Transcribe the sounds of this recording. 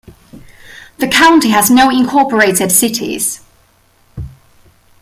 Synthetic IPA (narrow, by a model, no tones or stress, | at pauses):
ðəkʰãʊ̃ntiəznoʊɪ̃nkʰɔˑpəɹeɪtɪd̥sɪtʰɪ̰z̥